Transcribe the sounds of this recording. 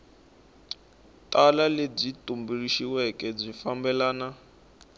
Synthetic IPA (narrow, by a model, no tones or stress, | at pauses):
tʼalaleb͡ʐitʼumbiriʃiwɛkɛb͡ʐifambɛlaːna